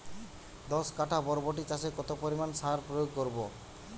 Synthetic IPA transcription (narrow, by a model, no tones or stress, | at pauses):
d̪ɔskaʈʰabɔɾboʈ̬it͡ʃasekɔt̪opoɾimansaɾpɾojoɡ̚koɾbo